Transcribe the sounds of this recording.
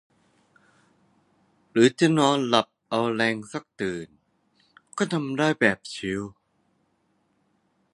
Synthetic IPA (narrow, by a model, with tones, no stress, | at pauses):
ɾɯː˨˦t͡ɕa˧˩nɔː˧nla˨˩p̚ʔa˧wlɛː˧ŋsa˥˩k̚t̪ɯː˨˩n | kɔː˥˩t̪ʰa˧mdaː˥˩jbɛː˨˩p̚t͡ɕʰi˨˦w